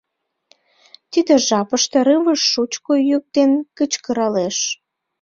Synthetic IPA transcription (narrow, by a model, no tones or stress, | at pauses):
t̪id̪ĕʒɑpəʃt̪eɾɨβəʃːut͡ɕkojyk̚t̪enkət͡ɕkə̆ɾɑleʃ